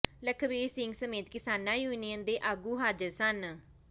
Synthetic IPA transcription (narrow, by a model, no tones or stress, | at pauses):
ləkʰʋeːsɪŋɡsəmeːt̪kɪsaːnaːjuːnijənd̪eːʔaːɡuːɦaːd͡ʒəɾsən